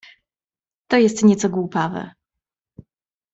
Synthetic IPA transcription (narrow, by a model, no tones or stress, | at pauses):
t̪ɔjɛst̪ɲɛt̪sɔɡwupavɛ̰